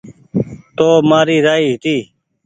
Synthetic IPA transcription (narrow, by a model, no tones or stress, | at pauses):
t̪oːmaːɾiːɾaːiːɦɪt̪iː